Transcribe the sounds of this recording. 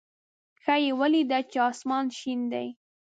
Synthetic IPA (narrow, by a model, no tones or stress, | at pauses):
xajewalid̪at͡ʃeɑsmɑnʃind̪a̰j